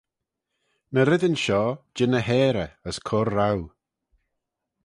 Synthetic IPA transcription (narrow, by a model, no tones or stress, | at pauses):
nəɾɪdənʃɔːd͡ʒɪnəɦɛːɾəəskʰɔɾːaw